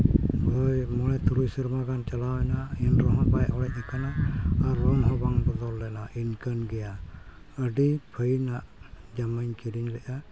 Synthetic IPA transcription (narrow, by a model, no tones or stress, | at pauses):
hɔjmɔɽɛt̪ʰuɾujsiɾmaɡant͡ʃalawɛnainɾɔɦɔ̃bajʔɔɽɛʔɛkanaːɾːɔnɦɔ̃baŋbɔd̪ɔlːɛnaʔinkənɡɛja | əɖipʰəjnaʔ | d͡ʒaməɲkiɾiɲlɛʔa